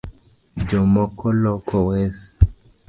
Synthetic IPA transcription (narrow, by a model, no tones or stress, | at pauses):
d͡ʒɔmɔkɔlɔkɔwɛs